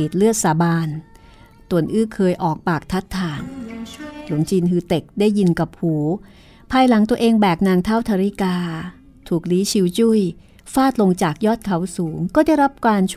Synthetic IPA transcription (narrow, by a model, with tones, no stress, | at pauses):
i˨˩t̪̚lɯ˥˩ət̪̚saː˩˦baː˧n | t̪u˨˩ənʔɯː˥˩kʰɤː˧jʔɔː˨˩k̚paː˨˩k̚t̪ʰa˦˥t̪ʰːaː˧˩ŋ | lu˨˩˦ŋt͡ɕiː˧nhɯː˧t̪e˨˩k̚daː˥˩jːi˧nka˨˩p̚huː˩˦ | pʰaː˧jla˩˦ŋt̪u˧əʔeː˧ŋbɛː˨˩k̚naː˧ŋt̪ʰaː˥˩wt̪ʰaː˧ɾi˦˥˩kaː˧ | t̪ʰuː˨˩k̚liː˨˦˥t͡ɕʰi˧˦wt͡ɕu˥˩˨j | faː˥˩t̪̚lo˧ŋt͡ɕaː˨˩k̚jɔː˥˩t̪̚kʰa˨˩˦wsuː˩˦ŋkɔː˥˩da˥˩jɾa˦˥p̚kwaː˧nt͡ɕʰ